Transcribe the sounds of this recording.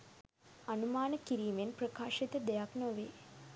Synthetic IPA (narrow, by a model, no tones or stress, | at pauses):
ɐnumaːnəkiɾiːmenprəkaːʃit̪əd̪ejaknoʋeː